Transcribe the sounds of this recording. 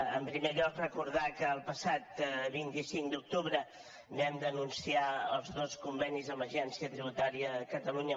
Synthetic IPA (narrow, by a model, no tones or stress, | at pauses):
ə̰mpɾimeʎɔkrəkuɾðakəːlˠpəsat̪βint̪isiŋkd̪uk̚t̪uβɾə | nɛmd̪ənunsiaəlˠzðoskumbɛnizəməʒɛnsiət̪ɾiβut̪aɾiəkət̪əluɲə